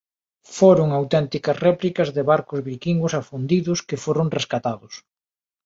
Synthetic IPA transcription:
foɾʊŋawt̪ɛnt̪ikɐsrɛplikɐzðɪβaɾkʊzβiɾkiŋɡʊsafund̪iðʊskɪfoɾʊŋreskat̪aðʊs

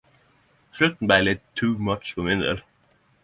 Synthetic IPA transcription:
ʃlʉt̪n̩bæɪlɪt̪ʰːʉːmʌt͡ʃfɔmɪnd̪ə̰l

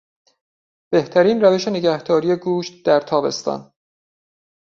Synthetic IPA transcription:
b̥e̞ht̪ʰæɾiːnræve̞ʃe̞ne̞ɟæhd̪ɒːɾije̞ɡuːʃt̪̚d̪̥æɾt̪ʰɒːbe̞̰st̪ɒ̰n

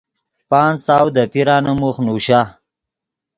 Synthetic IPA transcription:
pɑːnsaːwd̪əpiɾaːnəmuχnuɕa

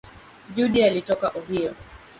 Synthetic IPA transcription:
ʄuɗialitɔkaʔuɦiɔ

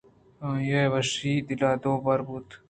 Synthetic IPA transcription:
jewɐʂiːd̪ilaːd̪oːbɐɾbut̪

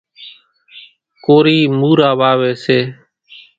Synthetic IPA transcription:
koːɾiːmuːɾaːʋaːʋeːseː

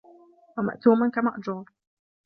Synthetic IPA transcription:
wama̰ʔt̪uːmankamaʔd͡ʒuːɾˤ

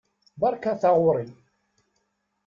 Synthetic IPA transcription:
bɑɾˤkaθaʁʊɾˤi

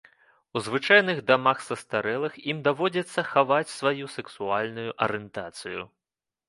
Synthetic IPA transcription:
uzvɨt͡ʂajnɨɣd̪amaxsɐst̪aɾɛlˠɐximd̪avɔd͡zʲɛt̪sːɐxavat͡sʲsvajusɛksualʲnujuʔɐ̰ɾɛnt̪at̪sɨjṵ

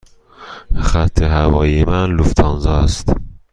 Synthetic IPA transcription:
xæt̪ʰːeɦævɒːjemænluft̪ʰɒnzɒːst̪

